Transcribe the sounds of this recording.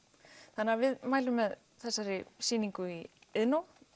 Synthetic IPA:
θanːavɪðmaːjlʏmːɛð | θɛsːaɾɪsiːniŋkʏiɪðnow

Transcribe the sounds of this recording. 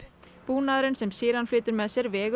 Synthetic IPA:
puːnaðɾɪnsɛmsiːɾanflʏːt̪ʏɾmɛðsɛɾvɛːɣ

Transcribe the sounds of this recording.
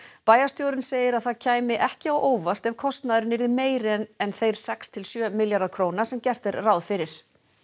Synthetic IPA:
paːjast̪jowɾɪnseːjɪɾaðθaðcʰaːjmɪʔɛhcɪawʔoːwvar̥t̪ɛv̥kʰɔst̪naðɾɪnːɪɾðɪmeːjɾnɛnθejɾ̥sɛkst̪ʰɪlsjœːmɪljaɾðaðkʰɾoːwnasɛmcɛr̥t̪ɛɾrawðfɪɾɪɾ̥

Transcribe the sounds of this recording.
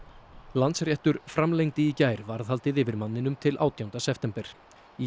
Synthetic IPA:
lant̪srjɛht̪ʏɾfɾamlejŋt̪ɪicaːjɾvaɾðhalt̪ɪðɪːvɪɾmanːɪnʏmt̪ʰɪlʔa̰ːwt̪ʰjawnt̪asɛft̪ɛmpɛɾ̥ | i

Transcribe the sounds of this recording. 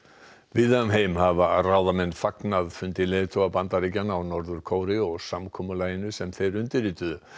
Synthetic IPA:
vɪðœʏmɦeːjmhavaraːwðamɛnːfaknaðfʏnt̪ɪlejðt̪ʰowapant̪aɾicanawnɔɾðʏɾ̥kʰoːwɾɪɔɣsamkʰɔːmʏlaːjɪnʏsɛmθejɾʏnt̪ɪɾiːt̪ʏðʏ

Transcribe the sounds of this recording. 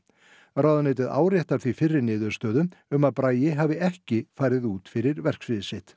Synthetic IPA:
ɾawðʏnɪːjt̪ɪða̰ːwrjɛht̪aɾ̥θvifɪrːɪɾnɪːðʏɾ̥st̪œːðʏʏmaðpɾaːjɪɦaːvɪʔɛhcɪfaːjɾɪðuːt̪fɪɾɪɾvɛr̥ksvɪðɪsɪht̪

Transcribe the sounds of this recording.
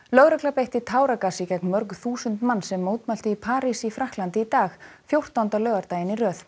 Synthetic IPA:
lœɣɾɛklapejht̪ɪt̪ʰaːwɾakasicɛk̚nmœɾkθuːsʏnt̪manːsɛmːowt̪malt̪ɪipʰaːɾisifɾahklant̪ɪit̪aːxfjowr̥t̪awnt̪alœːɣaɾt̪aːjɪnirœːθ

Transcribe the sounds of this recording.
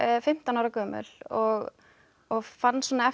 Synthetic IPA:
fɪm̥t̪anawɾakœːmʏ̰lɔɣ | ɔɣfanːsɔːnaɛ

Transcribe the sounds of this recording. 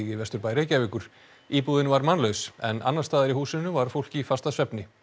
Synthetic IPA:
ɣɪvɛst̪ʏɾpaːjɾejcaːvɪkʏɾ̥ | iːpuːðɪnvaɾmanlœɥsɛ̰na̰nːaɾ̥st̪aːðɪɾihuːsʏnːʏvaɾ̥fowl̥cifast̪asvɛpnɪ

